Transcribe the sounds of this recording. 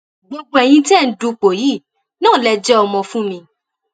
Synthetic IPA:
ɡ͡bo˧ɡ͡bo˧ɛ˨j̃ĩ˧ti˦ɛ˦˨n̩˨du˧˦k͡po˨ji˦˨ | nãː˦˨lɛ˧d͡ʒɛ˦ɔ˧mɔ̃˧fũ˦mĩ˧

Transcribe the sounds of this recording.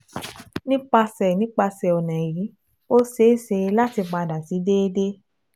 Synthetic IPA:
nĩ˦k͡pa˧sɛ˨nĩ˨˦k͡pa˧sɛ˨ɔ˨nɛ̃˨ɾĩ˨˦ | o˦se˦se˧la˦ti˧ɡ͡ba˧da˨ti˨˦de˦de˦

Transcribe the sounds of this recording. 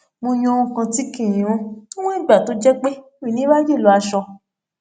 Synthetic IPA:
mo˧j̃ɔ̃˧o˧ũ˧kã˧ti˨˦kĩ˦˨ĩ˨ɔ̃˧õ˦w̃ɔ̃˦i˦˨ɡ͡ba˨to˨˦d͡ʒɛ˦k͡pe˦mĩ˦˨nĩ˦wa˦je˦˨lɔ˨˧˦a˧ʃɔ˧

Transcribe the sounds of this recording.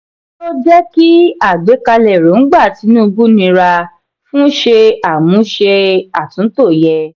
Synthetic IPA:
to˦d͡ʒɛ˦ki˦a˦˨ɡ͡be˨˦ka˧lɛ˨ɾo˨˦n̩˦ɡ͡ba˦˨ti˨˦nũ˦˧ɡu˦nĩ˧ɾa˧ | fũ˦ʃe˧a˨mũ˨˦ʃe˧a˨tũ˨˦to˦˨jɛ˧

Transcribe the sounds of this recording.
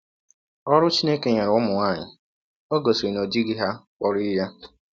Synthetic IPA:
ɔ˦ɾʊ˦t͡ʃi˦ne˦ke˨ɲe˨ɾʊ˦mʊ˨ŋa˦˨ɲɪ̰˨ | o˦ɡo˨si˨no˨d͡ʒi˦ɡi˦ɦa˦kɔ˨ɾi˦ja˦

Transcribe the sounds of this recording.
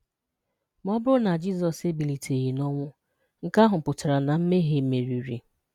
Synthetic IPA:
m˦ɔ˦bʊ˦ɾʊ˦na˨d͡ʒi˦zɔ˨se˦bi˨li˨tʰe˨ɣi˨nɔ˦ŋʷʊ˦ | ŋ̩˨ka˦ɦʊ˨pʊ˨ta˨ɾa˨na˨m̩˦me˦ɦe˦me˨ɾi˨ɾḭ˨

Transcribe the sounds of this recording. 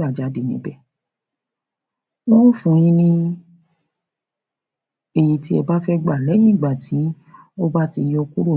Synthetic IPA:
a˨d͡ʒa˨˧˦de˨nĩ˨˦bɛ˦˨ | wo˦ũ˦fũ˧˦j̃ĩ˦nĩ˦ | e˧ji˧ti˦ɛ˧ba˦fɛ˦ɡ͡ba˨lɛ˨˦j̃ĩ˦˨ɡ͡ba˨ti˨˦ | o˦ba˦ti˧jɔ˧ku˦ɾo˦˨

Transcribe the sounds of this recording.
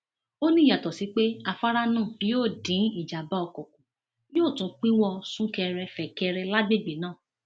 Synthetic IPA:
o˦nĩ˦˨ja˨tɔ˨si˨˦k͡pe˦a˧fa˦ɾa˦nãː˦˨bi˨˦joː˦˨dĩ˨˦i˦˨d͡ʒa˨ba˨˦ɔ˧˨kɔ̃˨kũ˨˦ | joː˦˨tũ˨˦k͡pĩ˦wɔ˧sũ˦kɛ˧ɾɛ˧fɛ˨kɛ˧ɾɛ˧la˦ɡ͡be˦˨ɡ͡be˨nãː˦˨

